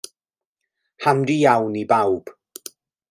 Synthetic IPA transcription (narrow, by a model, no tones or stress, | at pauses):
hamdijawnibawb̥